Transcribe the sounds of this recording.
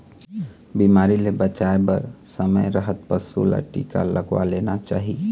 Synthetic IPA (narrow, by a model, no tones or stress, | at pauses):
bimaːɾilebət͡ʃaebəɾsəməjɾəɦət̪̚pəsṵla̰ʈḭːka̰ləɡwa̰leːnat͡ʃa̰ːɦi